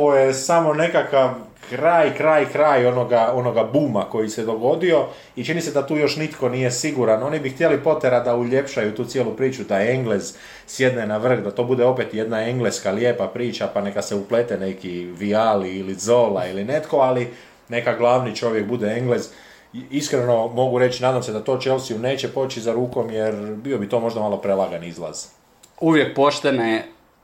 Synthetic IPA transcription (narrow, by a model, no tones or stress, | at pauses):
oojesamo̞ne̞kakaʋ | kɾaːjkɾaːjkɾaːjo̞no̞ɡao̞no̞ɡabuːmako̞jise̞d̪o̞ɡo̞d̪io̞ | it͡ʃinise̞d̪at̪uːjo̞ʃnit̪ko̞nije̞siɡuɾano̞nibixt̪jelipo̞t̪eɾad̪auʎe̞pʃajut̪uːsjelupɾiːt͡ʃud̪ae̞ŋɡlez | sje̞d̪nenaʋr̩kd̪at̪o̞ːbud̪eo̞pet̪je̞d̪nae̞ŋɡleskalje̞ːpapɾiːt͡ʃapane̞kaseuplet̪ene̞kiʋialiilid̪zo̞ːlailine̞t̪ko̞ali | ne̞kaɡlˠaːʋnit͡ʃo̞ʋjekbud̪eeŋɡlez | iskɾeno̞mo̞ɡuɾe̞t͡ɕinaːd̪amse̞d̪at̪o̞ːt͡ʃelsijune̞ːt͡ɕe̞po̞t͡ɕizaɾuːko̞mjeɾbio̞bit̪o̞ːmo̞ʒd̪amalˠo̞pɾelˠaɡanizlˠa̰z̥ | uʋjek̚po̞ʃt̪enaje